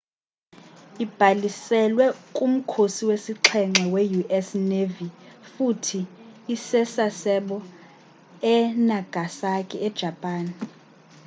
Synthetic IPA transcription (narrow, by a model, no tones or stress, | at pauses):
ib̥ʱalisɛlwɛkʼum̩kʰosiwesiǁʰɛŋ͡ǁʱɛwejuʔɛsnevifutʰiːsɛsasɛɓɔ | ɛnaɡ̥ʱasakʼiɛd̥ʒ̥ʱapʼaːn